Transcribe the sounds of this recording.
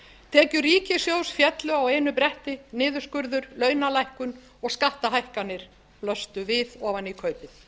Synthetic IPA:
t̪ʰɛːcʏriːcɪsjoːwsfjɛt̪lʏawejnʏpɾɛht̪ɪnɪːðʏ̥skʏɾðʏɾlœːɥnalajhkʏn | ɔɣskaht̪aɦajhkanːɪɾ̥ | plœst̪ʏvɪðɔːvanikʰœːɥpɪθ

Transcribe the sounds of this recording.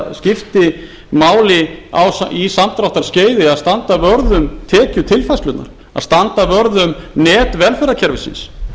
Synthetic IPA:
scɪft̪ɪ | maːwlɪa̰wsisamt̪ɾawht̪aɾ̥sceːjðɪaðst̪ant̪avœɾðʏmt̪ʰɛːcʏt̪ʰɪlfajstlʏt̪na̰ɾ̥ | a̰ðst̪ant̪avœɾðʏmnɛːt̪vɛlfɛɾacʰɛɾvɪsɪ̰ns

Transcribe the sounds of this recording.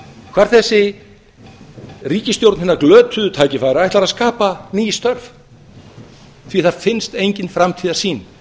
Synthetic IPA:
kʰv̥aɾ̥θɛsːɪ | riːcɪst̪jowɾt̪nɪnːaklœːt̪ʏðʏt̪ʰaːjcɪfaːjɾaɛht̪aɾaðskaːpaniːjɪst̪œɾv | θviθaðfɪnst̪ejɲcɪnfɾamt̪ʰiːðḁsiːn

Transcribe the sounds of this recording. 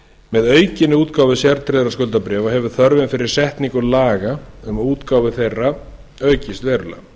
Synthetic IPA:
mɛðœːɥcɪnːɪuːt̪kaːwvɪsjaɾt̪ʰɾɛðɾaskœlt̪apɾɛːvaɦɛvʏ̥θœɾvɪnfɪɾɪɾ̥sɛht̪niŋkʏlaːɣaʏmauːt̪kaːwvɪθejrːa | œːɥcɪst̪vɛɾʏla̰

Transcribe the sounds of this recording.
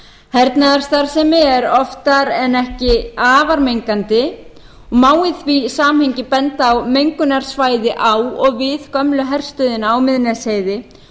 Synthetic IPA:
hɛɾt̪naðaɾ̥st̪aɾ̥sɛmɪɛɾɔft̪aɾɛnɛhcɪaːvaɾmejŋkant̪ɪ | ɔɣmaːwɪθvisaːmhejɲcɪpɛnt̪awmejŋkʏnaɾ̥svaːjðɪʔawɔɣvɪð̥kœmlʏɦɛr̥st̪ʏðɪnawmɪðnɛsheːjðɪ

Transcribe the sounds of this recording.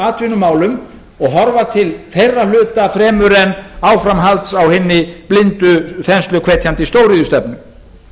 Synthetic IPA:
aːt̪ʰvɪnːʏmaːwlʏm | ɔɣɦɔɾvat̪ʰɪlfejrːalʏːt̪afɾɛːmʏɾɛnaːwfɾamɦalt̪sawhɪnːɪplɪnt̪ʏθɛnst̪lʏkʰveːt̪ʰjant̪ɪst̪owɾiːðʏst̪ɛpnʏm

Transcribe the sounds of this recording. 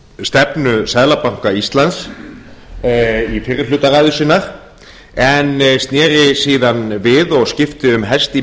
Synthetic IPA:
st̪ɛpnʏsɛðlapawŋ̥kaist̪lans | ifɪrːɪɾlʏːt̪aɾaːjðʏsɪnːaɾ̥ | ɛnst̪njɛːɾɪsiːðanvɪðɔɣscɪft̪ɪʏmɦɛst̪i

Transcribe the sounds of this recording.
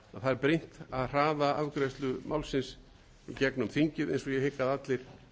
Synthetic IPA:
aθaðɛɾpɾejn̥t̪aðr̥aːðaavkɾɛst̪lʏmʔawlsɪns | icɛknʏmθiɲcɪðḛjnsɔjɛhɪkːaðat̪lɪɾ̥

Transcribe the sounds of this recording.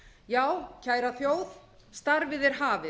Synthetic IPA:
jaːwcʰaːjɾaθjoːwð | st̪aɾvɪðɛɾ̥ɦaːvɪ

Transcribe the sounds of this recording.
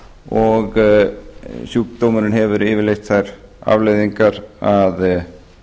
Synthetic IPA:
ɔɣ | suːkt̪owmʏɾɪnhɛvʏɾɪːvɪɾlejxt̪θajɾ̥a̰vlejðiŋkaɾað

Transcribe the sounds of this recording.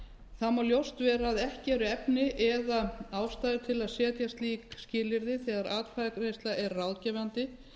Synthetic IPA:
θamaljowst̪vɛːɾaðɛhcɪɛɾʏɛpnɪʔɛðaaːwst̪ajðɪt̪ʰɪlaðsɛːt̪jast̪liːkscɪːlɪɾðɪθɛːðaɾaːt̪fʰaðakɾejst̪laʔɛɾːawðcɛvant̪ɪ

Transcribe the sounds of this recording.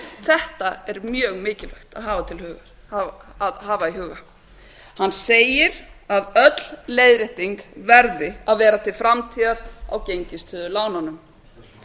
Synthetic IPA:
θɛht̪aɛɾmjœːɣmɪːcɪlvɛxt̪aðɦaːvat̪ʰɪlhʏːɣaɾ | haaðhaːvaiɦʏːɣa | hanːseːjɪɾaðœt̪l̥leːjðɾɪht̪iŋkvɛɾðɪaðvɛːɾat̪ʰɪlfɾamt̪ʰiːðaðawcejɲcɪst̪ʰʏːðʏlaːwnanʏm

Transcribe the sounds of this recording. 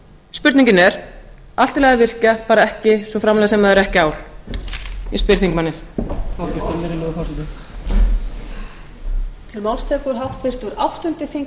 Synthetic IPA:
spʏɾt̪niɲcɪnɛɾ̥ | alt̪ɪlɛɣavɪr̥capaːɾaɛhcɪsvɔfɾamlɛɣasɛmaðɛɾɛhcɪaːwl | jɛspɪɾ̥θiŋkmanːɪθawcɛɾt̪ɛnːɛɾɪlɪɣʏfasɪnt̪ʏ | t̪ʰɛlmawlst̪ʰɛkʏɾ̥ɦawht̪fɪr̥st̪uɾawht̪ʏnt̪ɪθiŋ

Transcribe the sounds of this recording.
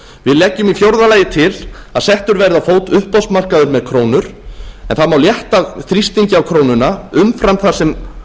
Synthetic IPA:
vɪðlɛːcːʏmifjowɾðalaːjɪt̪ʰɪlaðsɛht̪ʏɾvɛɾðafoːwt̪ʏhpɔst̪mar̥kaðʏɾmɛðkʰɾoːwnʏɾ̥ɛnθaðmawljɛht̪aθɾist̪iɲcɪawkʰɾoːwnʏnaʏmfɾant̪θasɛm

